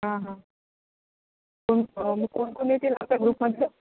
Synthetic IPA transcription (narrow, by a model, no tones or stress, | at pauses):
ɦãɦã | konməɡ̚konkonjet̪iːla̰pljaɡɾuːpməd̪ʱːa